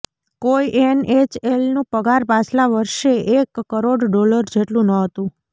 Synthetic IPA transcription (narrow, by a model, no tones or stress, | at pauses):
koiʔenet͡ʃelnũpəɡaɾbaslaʋəɾʃeʔekːəɾoɖɖoləɾd͡ʒeʈlũnəɦət̪ũ